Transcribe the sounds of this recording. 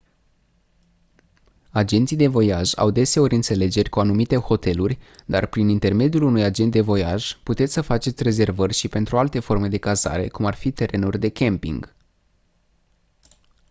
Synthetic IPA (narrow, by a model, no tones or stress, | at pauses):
ad͡ʒe̞nt̪sijd̪e̞vo̞jaʒa̰wd̪e̞seo̞ɾʲɨnt̪se̞le̞d͡ʒe̞rʲkuanumit̪e̞ho̞t̪e̞lurʲd̪arpɾinint̪e̞rme̞d̪ijulunujad͡ʒe̞nt̪̚d̪e̞vo̞jaʒput̪esʲsəfat͡ʃe̞t̪sʲre̞ze̞rvərʲʃipe̞nt̪ɾualt̪e̞fo̞rme̞d̪e̞kaza̰ɾe̞̰kumarfit̪e̞ɾe̞nurʲd̪e̞kʲe̞mpḭŋɡ̥